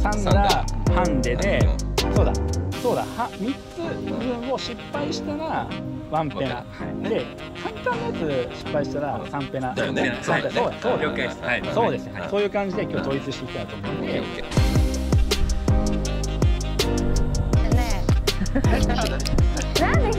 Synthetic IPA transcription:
sãŋɡahãnd̪e̞d̪e̞so̞ːd̪a̰so̞ːd̪a̰hãmʲit͡sɨbɯ̟̃ɰ̃o̞ɕipːaiɕi̥t̪aɾaβãmpe̞na | dd̪e̞ | sãnt̪aːnat͡sɨɕi̥pːaiɕi̥t̪aɾasãmpe̞nasãesoːd̪aso̞ːd̪so̞ːd̪e̞sɨjosoːjɯ̟ːkãɲ̟d͡ʑid̪e̞kʲo̞ːt̪oit͡sɨɕi̥t̪eit̪aɯt̪omõd̪e | na

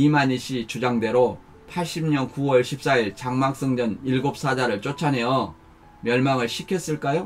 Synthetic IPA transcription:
imaɲiɕʰit͡ɕud͡ʑaŋde̞ɾo | pʰaɭɕ͈imɲʌnkuwʌɭɕʰip̚s͈aiɭt͡ɕaŋmak̚s͈ʌŋd͡ʑʌniɭɡop̚s͈ad͡ʑaɾɯɭt͡ɕ͈ot͡ɕʰane̞jʌ | mjʌɭmaŋɯɭɕʰikʰes͈ɯɭk͈ajo

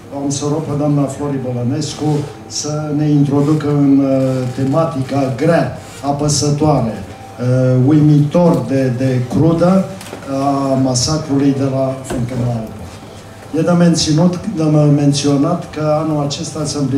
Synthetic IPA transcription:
oamsoɾoped̪oamnaflo̞ɾiboləne̞sku | səne̞int̪ɾo̞d̪ukəɨnt̪e̞mat̪ikaɡɾa | apəsət̪oaɾe | ujmit̪o̞rd̪ed̪ekɾud̪ə | amasakɾulujd̪e̞lafuŋkemelao | jed̪ament̪sinut̪amme̞nt̪sio̞nat̪kəanulat͡ʃe̞st̪asəmpli

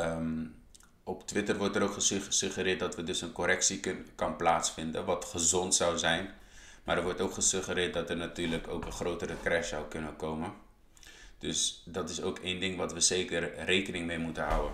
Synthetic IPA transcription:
ə | ɔptʋɪtərʋɔrtəɾowkχəssɵχəɾɪːt̚dɑtʋədɵsənkoɾɛksikɑnplaːtsfɪndənʋɑtχəzɔntsawzɛjn | maːɾəɹʋɔɹtowkχəsɵχəɾɪːt̚dɑtərnatyːɹləko̰wkənχrowtərəkrɛʃsawkɵnənkowmən | d̥ɵsdɑtɪsowkʰejndɪŋʋɑtʋəzejkərrejkənɪŋmejmutəɦʌ̰wən

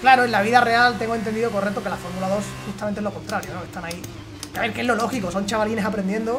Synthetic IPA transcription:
klaɾoelaβ̞iðare̞alt̪e̞ŋɡont̪̬end̪iðoko̞re̞k̚t̪o̞kelafo̞ɾmulaðo̞sxust̪ame̞nt̪elo̞ko̞nt̪ɾaɾjo̞noke̞st̪anai | kaβe̞ɾke̞zlo̞lo̞xiko̞so̞nt͡ʃaβaline̞sapɾe̞nd̪je̞nd̪o

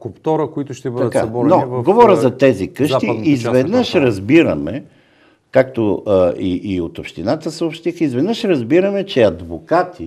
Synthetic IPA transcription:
kopt̪ɔɾəkoit̪ʊʃt̪ɛbəd̪ɐt̪kasɐbɔɾnɔvɡovɔɾəzɐt̪ɛzikəʃt̪iizvɛd̪nəʃɾɐzbiɾɐmɛ | kak̚t̪oəiʔːot̪opʃt̪inat̪əsəopʃt̪ixəizvɛd̪nəʃɾɐzbiɾəmɛt͡ʃɛɐd̪vokat̪i

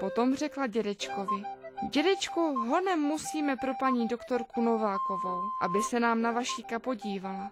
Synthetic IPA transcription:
po̞t̪o̞mr̝ɛklaɟɛdɛt͡ʃkovɪɟɛdɛt͡ʃkuɦo̞nɛmːusiːmɛpɾo̞paɲiːdo̞kt̪o̞ɾkuno̞vaːko̞vo̞wʔa̰bɪsɛnaːmnavaʃiːkapo̞ɟiːvala

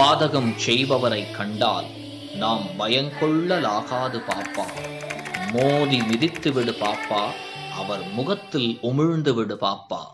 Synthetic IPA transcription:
paːðɐɣɐmt͡ʃɛjʋɐʋɐɾɐɪkːɐɳɖa̰ːl | naːmbɐjɐŋkɔɭːɐlaːɣaːðɯpaːɾpːaː | moːðimɪðɪt̪ːɯʋɪɽɯpaːpːaː | ʔɐʋɐɾmʊɣɐt̪ːɪlʊmɪɻnd̪ɯʋɪɽɯpaːɾpːa̰ː

